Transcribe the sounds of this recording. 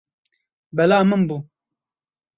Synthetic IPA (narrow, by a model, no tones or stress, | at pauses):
bɛlaːmɨnbu